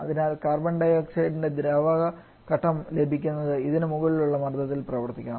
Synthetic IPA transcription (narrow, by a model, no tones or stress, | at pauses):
ɐ̰ðinaːlkaːrbɐɳɖɐjɐkseɖinde̞d̪ɾaːʋɐɣɐ | kɐʈʰːɐmle̞bʱikʲːunːɐðɨiðinɨmuɣɐɭiluɭːɐmɐrd̪ɐt̪ːilprɐʋɐrt̪ikʲːaː